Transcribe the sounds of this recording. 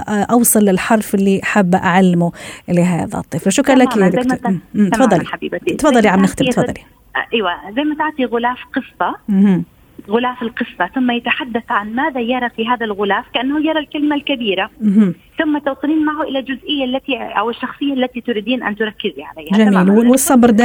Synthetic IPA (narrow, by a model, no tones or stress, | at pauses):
ʔʔɑwsˤɨlːɪlħɑɾˤfʔɪlːiʔaħabːʔaʕalːɪmuʔɪleɦa̰ːða̰t̪ˤːiːflaʃʊkɾɑlakijad̪mːfɑðˤːɑliabiːbt̪ˤfɑðˤːɑliʕamnɪxt̪ɪˤfɑˤːɑli | ʔajwazajmat̪aʕt̪ˤiɣʊlaːfqɨsˤt̪ˤɑ | ɣʊlaːfɪlqɨsˤːɑθʊmːajat̪aħad̪ːaθʕanmaːðajɑɾˤɑfiːɦaːðalɣʊlaːfkɪʔanːahʊjɑɾˤɑlkalɪmalkabiːɾam | θʊmːat̪ɑwt̪ˤɨniːnmaʕhʊʔɪlald͡ʒʊzʔɪjːalːat̪iʔa̰wɪʃːɑxsˤɨjːalːat̪it̪ʊɾiːd̪iːnʔa̰nt̪ʊɾˤɑkːɪziʕa̰lajːad͡ʒamiːlwwɪsˤːɑbɾˤd̪a